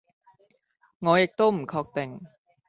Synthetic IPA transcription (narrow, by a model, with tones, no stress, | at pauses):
ŋɔː˨˧jɪ˨k̚t̪o˥wm̩˨˩kʰɔː˧k̚t̪e˨˩ŋ